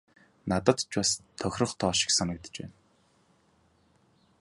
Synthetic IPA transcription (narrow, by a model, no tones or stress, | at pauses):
nat̪ə̆t̪t͡ɕpast̪ʰœxʲrɞ̆χt̪ʰɔːʃɪ̥̆ksanə̆k̚t̪ə̥̆t͡ɕpæ̰ːn